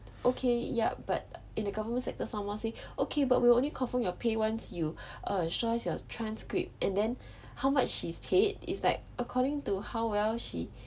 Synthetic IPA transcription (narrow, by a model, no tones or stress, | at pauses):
ʔokʰeja̰ba̰t̚ | ĩndəɡavəmə̃nsɛk̚təsãmwɔ̃nseʔokʰebat̚wilõnlikʰɔ̃nfə̃mjɔpʰewãnsjuʔʌstɹɔɪsjɔtʰɹãnskɹḭp̚t̚ʔɛ̃ndɛ̃n | hawmat͡ʃʃispʰedɪ̰slaɪk̚əkʰɔɾɪ̃ŋtuhawwɛlʃi